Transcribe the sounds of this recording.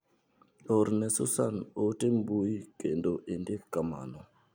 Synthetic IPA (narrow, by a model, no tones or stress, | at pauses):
oɾnɛsʊ̰sanotembuikendoʔindɪkːama̰nɔ